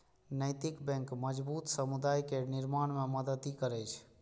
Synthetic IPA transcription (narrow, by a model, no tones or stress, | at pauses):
nəjt̪ɪkbɛ̃ŋkməd͡ʒbut̪səmud̪ajkenɪɾmaɽ̃meməd̪əd̪ikəɾɛt͡ʃʰ